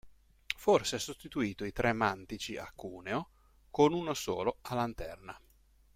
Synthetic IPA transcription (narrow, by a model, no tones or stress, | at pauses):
forseɛsost̪it̪uiːt̪oit̪ɾeɛmant̪it͡ʃiʔa̰kːuːneo | konunoso̰ːloalːant̪ɛrna